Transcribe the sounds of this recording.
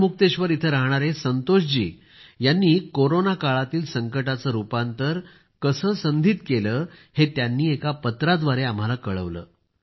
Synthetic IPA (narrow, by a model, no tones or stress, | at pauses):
muk̚t̪eɕʋəɾit̪ʰəɾaɦɳ̃aɾesənt̪oɕd͡ʑḭː | janːiːkoɾonakaɭat̪iːlsəŋkəʈat͡səːɾupant̪əɾ | kəsəːsənd̪ʱiːt̪keləːhet̪janːiːekapət̪ɾad̪ʋaɾeam̤alakəɭə̰ʋlə̰ː